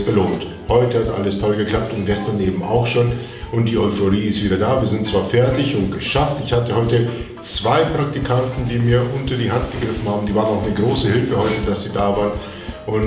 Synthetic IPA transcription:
b̥əloːnt | hɔʏtəhatʔa̰ləstʰɔlɡəkl̥ap̚tʊnt̚ɡ̥ɛstɐneːbm̩a̰ʊxʃoːn | ʊnt̚d̥iːɔʏfoʁiːɪstv̥iːdɐdaːviːɐzɪntt͡sv̥aːɐfɛɐtɪçʊnt̚ɡ̥əʃaftɪçhatəhɔʏtə | t͡sv̥aɪpʁ̥ak̚tikʰantn̩diːmiːɐʔʊntɐdiːɦantɡ̥əɡʁɪfn̩haːbm̩diːvaːʁənaʊxnəɡʁoːsəhɪlfəhɔʏtəd̥asz̥iːdaːvaːʁən | ʔʊn

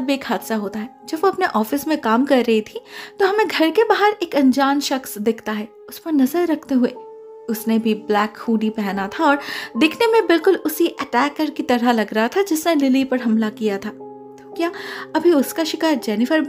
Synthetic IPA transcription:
beːkʰhaːd̪saɦoːt̪aɦɛːd͡ʒɐbʋoɐpneʔɔːfɪsmẽkaːmkɐɾːɐɦit̪ʰit̪oɦɐmẽɡʱɐɾkebaːɦəɾeːkɐ̃nd͡ʒaːnʃɐxsd̪ɪkʰt̪aɦɛː | ʊspɐɾnɐzəɾːɐkʰt̪eɦʊe | ʊsnebʱiblɛːkhuːɖipɛɦnat̪ʰaɔːɾd̪ɪkʰnemẽbɪlkʊlʊsiʔɛʈɛːkːəɾkit̪ɐɾəlɐɡɾɐɦat̪ʰad͡ʒɪsnelɪlipɐɾɦɐmlakijat̪ʰaː | t̪okjaːɐbʱiʊskaʃɪkaːɾd͡ʒɛːnɪfəɾ

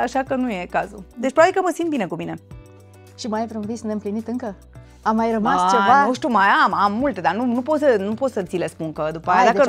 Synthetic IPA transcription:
aʃakənuje̞kazud̪e̞t͡ʃpɾoabikəməsint̪bine̞kumine̞ | ʃimajvɾonvisneɨmplinit̪ɨŋkə | amːajɾəmast͡ʃevanuʃt̪umajamamːult̪e̞d̪anunupo̞t̪sənupot̪sət̪silespunkəd̪upəajad̪akə

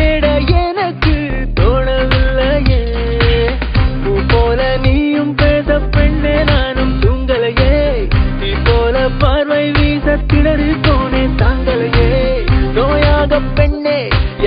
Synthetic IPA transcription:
eːɽɐɛnɐkːɯ | t̪oːnɐʋɪlːɐjeː | uːpoːlɐniːjɯmpeːsɐpːɛɳːeːnaːnɯmt̪ʊŋɡɐɭɐje | ipːoːlɐpɐɾʋɐɪʋiːsɐt̪ːɪɽɐɾɯt̪oːneːt̪ɐːŋɡɐɭɐjenoːjaːɣɐpːɛɳːeː

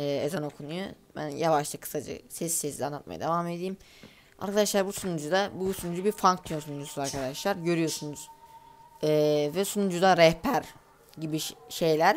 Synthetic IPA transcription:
ɛːezano̞kʰunujo | bæ̰njavaʃlt̪ˠakʰɯ̥sad͡ʒɯ̰sɛsːesid̪ʲanˠat̪ma̰ja̰d̪e̞vaːme̞d̪ijm | a̰ɾkʰad̪aʃlˠaɾbusunud͡ʒud̪abusunud͡ʒubiɾfaŋk̚t̪ʰujonsunud͡ʒusuzaɾkʰad̪aʃlˠaɾɟø̞ɾyjo̞sunuz̥ | ɛːvɛsunud͡ʒud̪aɾɛhpʰæɾ | ɟibiʃe̞jlʲæɾ

